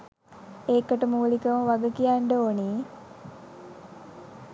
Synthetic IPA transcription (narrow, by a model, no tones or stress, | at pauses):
eːkəʈəmuːlikəməʋaɡəkijaɳɖəoːniː